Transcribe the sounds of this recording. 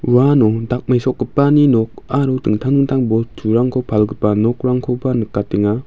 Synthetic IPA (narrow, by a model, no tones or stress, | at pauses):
wanɔdak̚majsɔk̚ɡɯpːaninɔk̚aɾudɯŋtʰaŋdɯŋtʰaŋbɔtʰuɾaŋkʰɔpʰalɡɯpanɔk̚ɾaŋkʰɔbanɯkːateŋa